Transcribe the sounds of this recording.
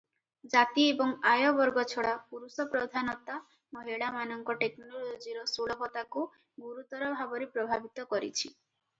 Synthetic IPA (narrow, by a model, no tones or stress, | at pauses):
d͡ʒat̪iebɔŋajɔbɔɾɡɔt͡ʃʰɔɽapuɾusɔpɾɔd̪ʱanɔt̪a | mɔɦiɭamanɔŋkɔʈeknɔnɔlod͡ʒiɾɔsuɭɔɦɔt̪aku | ɡuɾut̪ɔɾɔbʱabɔɾepɾɔbʱabit̪ɔkɔɾḭt͡ʃʰi